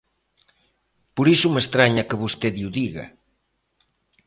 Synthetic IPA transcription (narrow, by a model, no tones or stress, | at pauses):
poɾisumest̪ɾaɲakeβust̪eðiuðiɣɐ̰